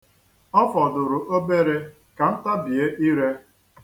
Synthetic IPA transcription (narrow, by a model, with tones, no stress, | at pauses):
ɔ˦fɔ˨dʊ˨ɾʊ˨ʔo˦be˦ɾe˦ | ka˨n̩˦ta˦bi˨e˦ʔi˦ɾe˦